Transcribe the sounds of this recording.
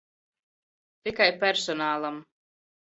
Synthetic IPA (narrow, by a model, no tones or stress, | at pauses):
t̪ikajpʲɛɾsɔnaːlˠam